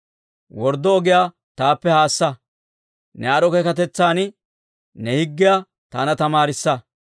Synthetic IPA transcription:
wɔɾd̪ːɔːɡɪjaː | t̪aːpːɛhaːsːɐ | nɛɐɾɔkɛkɐt̪ɛt͡sːaːnɪ | nɛhɪɡːɪja | t̪aːnɐt̪ɐmaːɾɪsːɐ

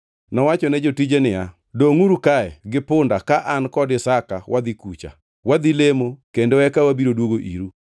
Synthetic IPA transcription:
nɔwat͡ʃɔnɛd͡ʒotid͡ʒenɪa | doŋuɾukaɛɡɪpʊndakaʔankɔdɪsakawʔad̪ikut͡ʃa̰ | wad̪ilemokendoɛkawabiɾodwoɡoʔiɾu

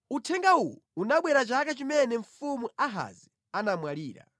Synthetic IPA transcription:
utʰɛŋɡauwuunaɓwɛɾat͡ʃakat͡ʃimɛnɛɱ̩fumuaɦa̰zi | anamwaliːɾa̰

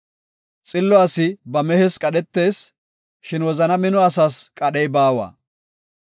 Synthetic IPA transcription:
t͡sʼɪlːɔɐsɪbɐmɛhɛskʼɐɗɛt̪ːe̞ːs | ʃɪnwɔzɐnɐmɪnɔɐs̬aːskʼɐɗɛjbaːwa̰ː

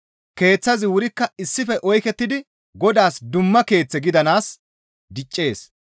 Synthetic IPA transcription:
ke̞ːt͡sːɐzɪwʊɾɪkːɐɪsːɪfɛʔɔjkɛt̪ːɪd̪ɪ | ɡɔd̪aːsd̪ʊmːɐke̞ːt͡sːɛɡɪd̪ɐnaːs | d̪ɪt͡ʃʼːe̞ːs

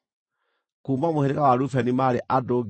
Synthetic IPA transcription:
kuːmamoheɾekawaɾufɛnimaɾeʔadoɡ

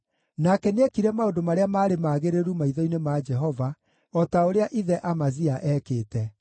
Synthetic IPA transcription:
nakɛnɛkiɾɛmaodomaɾeamaːɾemaːɣeɾeɾumaiðɔinemad͡ʒɛɦɔva | ɔtaoɾeaʔiðɛʔamaziaʔɛkeːtɛ

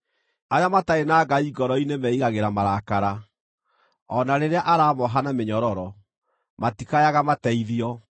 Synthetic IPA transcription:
ajamataenaːɡaiɡɔɾɔinemɛiɣaɣeɾamaɾakaɾa | ɔnaɾeɾeaʔaɾamɔɦanameɲɔɾɔɾɔ | matikajaɣamatɛiðiɔ

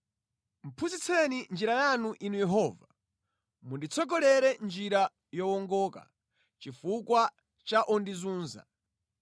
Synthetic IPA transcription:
m̩pʰuzit͡sʰɛnind͡ʒiɾajanuʔinujɛɦɔva | mundit͡sʰɔɡɔlɛɾɛnd͡ʒiɾa | jɔwɔŋɡɔka̰ | t͡ʃifukwa | t͡ʃaʔɔndizuːnza̰

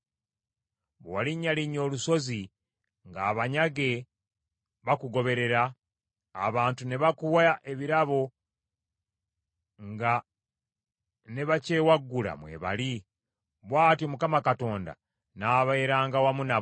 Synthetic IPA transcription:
βowaliɲːaliɲo̞ːluso̞zi | ŋɡaːβaɲaɡe̞ | βakuɡo̞βe̞ɾe̞ɾaː | βaːntune̞βakuwaaʔe̞βiɾaβo̞ | ŋɡa | ne̞βace̞ːwaɡːula̰mwe̞̰ːβa̰li | βwaːtiomukamakato̞ːnda̰ | naːβaeɾaːŋɡawamuna

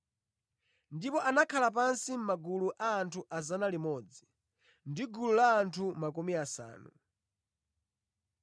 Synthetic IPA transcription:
ndipɔʔanakʰalap̬ansim̩maɡuluʔaːntʰuʔazanalimɔd͡zi̥ | ndiɡululaːntʰumakumiasa̰ːnu

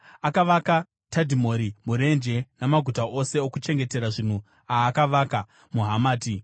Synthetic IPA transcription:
akaʋaka | tadʱimo̞ːɾimuɾe̞nd͡ʒe̞namaɡʱutaʔo̞se̞okut͡ʃe̞ŋɡe̞te̞ɾaʐin̤u | aːkaʋaka | muɦamaːti

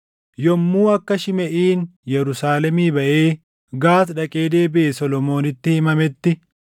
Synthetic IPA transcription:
jɔmːuːɐkːɐʃɪmɛʔiːnjɛɾʊsaːlɛmiːbɐʔe̞ː | ɡaːt̪ᶑɐkʼe̞ːd̪e̞ːbɪʔesɔlɔmo̞ːnɪt̪ːɪhɪmɐmɛt̪ːɪ

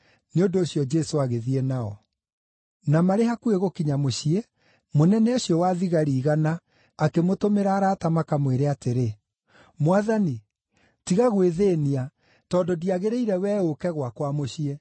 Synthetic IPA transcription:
neondoːɕjɔd͡ʒɛsoaɣeðiɛnaɔ | namaɾeɦakueɣokiɲamoɕie | monɛnɛoɕjɔwaːðiɣaɾiːɣanaː | kemotomeɾaːɾaːtamakamweɾeateɾe | mwaðani | tiɣaɣweðeːnia | tɔdodiaɣeɾeiɾɛwɛːokɛɣwakwamoɕie

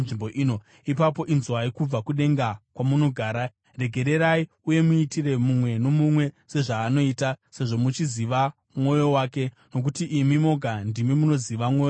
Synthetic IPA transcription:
nʐimboʔiːno̞ | ipapo̞ʔinzwaikub͡vakuɗe̞ŋɡakwamuno̞ɡʱaːɾa | re̞ɡʱe̞ɾe̞ɾai | uje̞muitire̞mumwe̞no̞mumwe̞se̞ʐaːno̞iːtase̞ʐo̞mut͡ʃiziʋa | mwo̞jo̞waːke̞ | no̞k̬utiʔimimo̞ɡʱandimimuno̞ziʋamoːjo

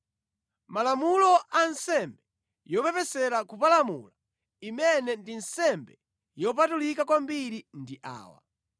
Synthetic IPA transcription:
malamulɔʔansɛmbɛ | jɔpɛpɛsɛɾakupalamṵla | imɛnɛndinsɛmbɛ | jɔp̬atulikakwambiɾindiʔa̰ːwa̰

